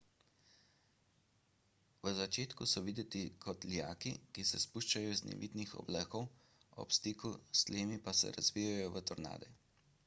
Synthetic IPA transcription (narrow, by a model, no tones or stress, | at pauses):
ʋəzat͡ʃeːt̪kusɔʋid̪ɛt̪ikʰɔt̪ljaːkikisɛspuʃt͡ʃajɔiznɛ̰ʋḭd̪nixɔ̰bləkɔw | ɔ̰pst̪iːkust̪leːmipasɛ̰ɾa̰zʋijajɔʋət̪ɔɾna̰ːd̪ɛ